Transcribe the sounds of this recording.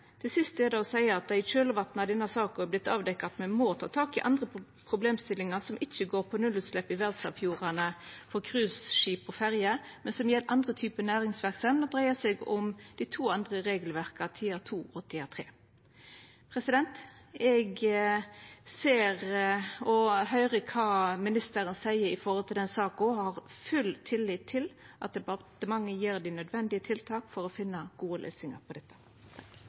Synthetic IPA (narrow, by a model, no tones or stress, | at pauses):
t̪ʰɪsɪst̪ɛd̪ɛɔsæɪəɑt̪̚d̪ɑɪt͡ʃøːləʋɑt̪nɑd̪ɛnːɑsɑːkblɪt̪ːɑːʋd̪ɛkːɑt̪mɛnmot̪ʰɑ̰ːt̪ʰɑːkɪʔɑnd̪ʁə | pʰɾʊbleːmst̪ɪlːɪŋɑsɔmʔɪt͡ʃːəɡoːʁpʰɔnʉlːʉːt̪slɛpːɪʋɛʁlsɑʋfjuːʁɑnəfɔʁkʰʁʉːsʃiːpɔfæʁjəmɛnsɔmjɛlːʔɑnd̪ʁət̪ʰyːpənæːʁɪŋsʋæʁksɑmnɔd̪ʁæɪəsɛɡɔmd̪̥ɪt̪ʰuːɑnd̪ʁəʁeːɡəlʋæʁkɑt̪ʰiːɑt̪ʰuːɔt̪ʰːɪɑt̪ʰʁeː | pʰɾɛsɪd̪ɛnt̪ | ɛɡ | seːʁɔɦœʏʁəkʰɑːmɪnɪst̪əɾənsæɪəɾɪfɔhɔlt̪ʰɪld̪ɛnsɑːkɔhɑʁfʉlːt̪ʰɪlːɪːt̪ʰːɪl | ʔɑ̰t̪̚d̪ɛpɑt̪əmɑŋːəjiːɾd̪ɪnœd̪ʋɛnd̪ɪət̪ʰɪlt̪ʰɑːkfɔɾɔfɪnːəɡ̥uːəlʔø̰ːsɪŋɑ̰pʰɔd̪ɛt̪ːə̥ | k